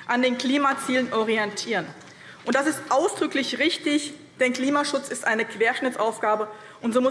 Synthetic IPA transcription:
ʔandeːnkl̥iːmat͡siːlənʔɔʁiɛntʰiːʁ̞ən | ʔʊntd̥asɪstʔaʊsd̥ʁʏklɪçʁɪçtɪç | d̥ɛnkl̥iːmaʃʊt͡sɪstʔaɪnəkv̥eːɐʃnɪt͡sʔaʊfɡ̥aːbə | ʔʊntz̥oːmʊ

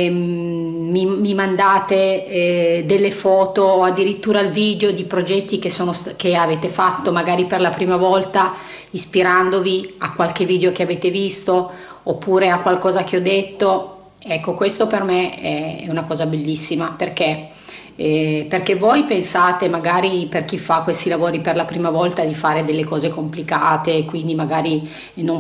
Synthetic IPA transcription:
mimimand̪aːt̪e | d̪elːefɔːt̪oːad̪ːiɾit̪ːuːɾalviːd̪eod̪ipɾod͡ʒɛt̪ːik̟esːoːnoskeaveːt̪efat̪ːomaɡaːɾiperlapɾiːmavɔlt̪a | ispiɾand̪ovia̰kwalk̟eviːd̪eokeaveːt̪evist̪o | opːuːɾeakːwalkɔːzak̟eɔd̪ːet̪ːo | ɛkːokwest̪opermeɛɛ̰unakɔːzabelːisːimaperke | perkevojpensaːt̪emaɡaːɾiperk̟ifakːwest̪ilavoːɾiperlapɾiːmavɔlt̪ad̪ifaːɾed̪elːekɔːzekomplikaːt̪eːkːwind̪imaɡaːɾi | nõ

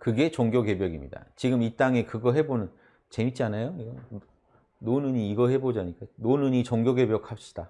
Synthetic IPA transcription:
kɯɡe̞t͡ɕʌŋɡjoɡe̞bjʌɡimɲḭda̰t͡ɕiɡɯmit͈aŋe̞kɯɡʌɦe̞bonɯn | t͡ɕe̞mit͡ɕ͈ianajoiɡʌ | nonɯɲiːɡʌhe̞bod͡ʑaɲik͈anonɯɲit͡ɕʌŋɡjoɡe̞bjʌk̚ʰhap̚ɕ͈i̥d̥a

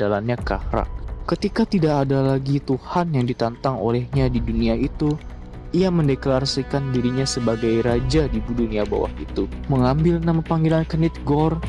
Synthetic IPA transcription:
dalanɲaka̰hɾa̰ʔ̚kət̪ikat̪idaʔːdalaɡit̪uhanjaŋdit̪ant̪aŋo̰lɛhɲadiduniaʔit̪u | iaməndekəlaɾasikandiɾiɲasəbaɡajɾad͡ʒadibuduniaba̰wa̰hḭt̪uməŋambɪlnamapaŋɡilankənit̪̚ɡɔr

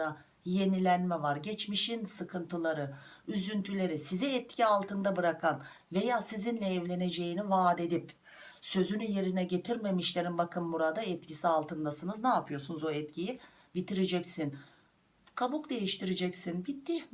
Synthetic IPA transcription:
a | je̞nilʲænmɛvaɾɟɛt͡ʃmiʃinsɯkʰɯnt̪ʰɯlˠaɾɯyzynt̪ʰylʲe̞ɾisizɛɛt̪̚cʰialˠt̪ʰɯnd̪abɯɾakʰan | ve̞jaːsizinlʲɛɛvlʲe̞ne̞d͡ʒe̞jinivaːd̪e̞d̪ip | sø̞zynyje̞ɾinɛɟe̞t̪ʰiɾme̞miʃlʲe̞ɾinbakʰɯnːuɾad̪aɛt̪̚cʰisialˠt̪ʰɯnd̪asɯnɯznaːpʰɯjo̞sunuzo̞ɛt̪cʰiji | bit̪ʰiɾed͡ʒɛcsin | kʰabukd̪e̞jiʃt̪iɾed͡ʒɛcsinbit̪ʰːi

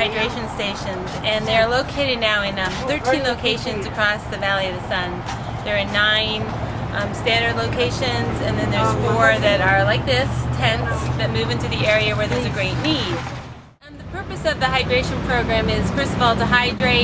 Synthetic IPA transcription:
aɪdɹeɪʃɨ̃nsteɪʃɨ̃nzɨ̃nðəːloʊkʰeɪɾɨdⁿnaʊɨ̃nʌ | θɜ˞tʰĩnloʊkʰeɪʃɨ̃nzɨkʰɹ̥ɔsðɨvælˠiʌvðɨsʌ̃n | ðə˞ənãɪ̃n | mstæ̃ndə˞dˡloʊkʰeɪʃɨ̃nzɨ̃nðɨ̃nðə˞zfɔɹðɨɾə˞laɪk̚ðɪstʰɛ̃ntsðɨt̚mʉvɪ̃ntʉðiɛɹiɨwə˞ðə˞zɨɡɹeɪtⁿnid̥ | ðɨpʰɜ˞pɨsʌvðɨɦaɪdɹeɪʃɨ̃npʰɹ̥oʊɡɹæ̃mɪz̥fɜ˞stʌvɔlˠtəɦaɪdɹeɪ

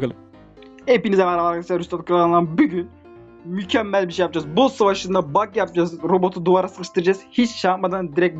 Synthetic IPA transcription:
klˠ | epinizɛmɛɾalˠaɾasiɾyst̪at̪kʰɯɾaanlˠanbyɟyn | mycʰɛmːælʲbiʃejap̚d͡ʒazbossavaʃɯnd̪abakjap̚d͡ʒazɾo̞bo̞t̪ʰud̪uvaɾasɯɣɯʃt̪ʰɯɾad͡ʒaz̥hit͡ʃʃat̪̚mad̪and̪iɾɛc̚

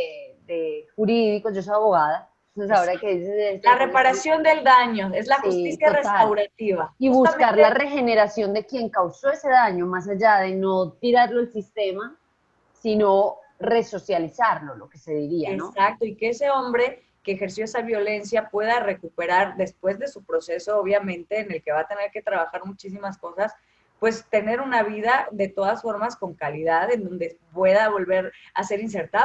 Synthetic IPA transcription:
ed̪exuɾiðiko̞zd͡ʒos̬ojaβo̞ɣaða | saoɾakeðisesest̪orepaɾasjo̞nd̪eld̪aɲoezlaxsitjaresaawɾat̪iβaiβuskaɾlare̞xe̞ne̞ɾasjo̞nd̪e̞kje̞ŋkawso̞e̞se̞ðaɲo̞mas̬aʝaðe̞no̞t̪iɾaɾlo̞elsist̪e̞ma | sino̞re̞so̞sjalisaɾlo̞lo̞̰ke̞se̞ðiɾiaenosak̚t̪o̞ike̞ese̞o̞mbɾe̞ | ke̞ːxeɾs̬joesaβjo̞le̞nsjapwe̞ðare̞kupe̞ɾaɾðe̞spwe̞zðe̞supɾo̞se̞so̞oβ̞jamẽ̞nt̪e̞ːne̞lke̞βat̪e̞neɾke̞t̪ɾaβaxaɾmut͡ʃis̬imasko̞sas | pwe̞st̪e̞ne̞ɾunaβiðaðe̞t̪o̞ðasfo̞ɾmasko̞ŋkaliðaðend̪o̞nd̪e̞pwe̞ðaβo̞lβe̞ɾ | ase̞ɾins̬e̞ɾt̪a

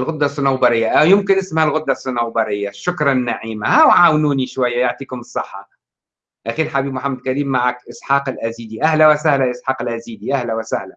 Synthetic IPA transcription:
lɣʊd̪ːasˤʊnawbɑɾɪjːaʔawjɪmkɪnʔɪsmhælɣʊd̪ːasˤːʊnawbɑɾɪjːaʃʊkɾˤɑnːaʕiːmahawʕaːwnuːniʃwajːajoʕt̪ˤiːkʊmɨsˤːɑħːɑ̰ | ʔaxiːlħabiːbmʊħamːad̪̚kaɾiːmːaʕakʔɪsħɑːqɪlʔæziːd̪iʔæhlawɪsahlaʔɪsħɑːqɪlʔæziːd̪iʔahlawɪsahla

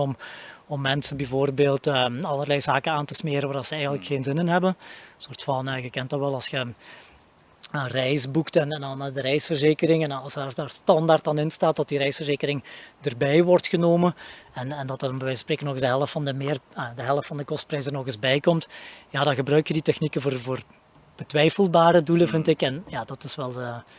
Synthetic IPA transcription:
ɔmɔmːɛnsənbɛvoːrbeːlˠtəɑlˠərlɛjzaːkənaːntəsmeːɾənʋaːrdɑnsəɛjɣənləkxeːnzɪnɪnɦɛbənsortfɑnəːɣəkɛntɑnʋɛlˠɑlˠsxə | ənrɛjzbuktɛnɛndɑndəɾɛjsfərzeːkəɾɪŋɛnɑlˠsdaːrdaːrstɑndaːrtɑnɪnstaːt̚dɑt̚diɾɛjsfərzeːkəɾɪŋdərbɛjʋɔrtxənoːmənɛnɛndɑtʋɛjspreːkənɔɣɪzdəɦɛlˠəftfɑndəmɪːrədəɦɛlˠəftfɑndəkɔst̚prɛjsərnɔɣɪzbɛjkɔmtjaːdɑnɣəbrœɥktjəditɛxnikəvoːrvoːr | b̥ətʋɛjfəlˠbaːɾəduləvɪntɪkɛnjaːdɑtɪsʋɛlˠə

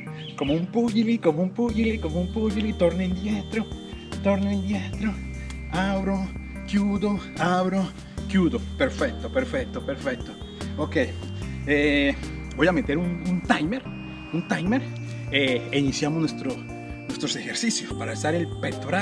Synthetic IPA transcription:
komoumpuʝilikomoumpuʝilikomoumpuʎilit̪oɾnend̪jet̪ɾo | t̪oɾnoend̪jet̪ɾo | aβɾo | kjuðoaβɾo | kjuðopeɾfek̚t̪opeɾfek̚t̪opeɾfek̚t̪o | okej | ebo̞jamet̪eɾununt̪ajmeɾ | unt̪ajmeɾ | einisjamoznwest̪ɾo | nwe̞st̪ɾosexeɾsisjospaɾaesaɾelpet̪oɾa

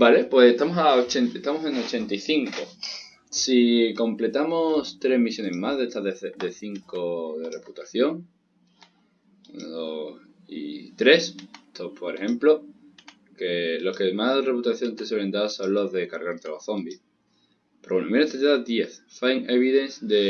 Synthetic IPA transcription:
balepwe̞sest̪amosaot͡ʃenest̪amo̞se̞ŋo̞t͡ʃe̞nt̪iθiŋko̞ | siko̞mple̞t̪amo̞st̪ɾe̞zmisjo̞ne̞zmazðest̪aðed̪e̞θiŋko̞ðe̞re̞put̪aθjo̞ŋ | o | ḭt̪ɾe̞st̪opoɾehẽ̞mplo | ke̞lo̞hke̞mazðere̞put̪aθjo̞nt̪e̞swele̞nd̪aɾso̞nlo̞zðe̞kaɾɣaɾt̪eloθo̞mbi | peɾowenomeɾot̪et̪eðad̪jeθfajŋe̞βiðe̞nsd̪e̞

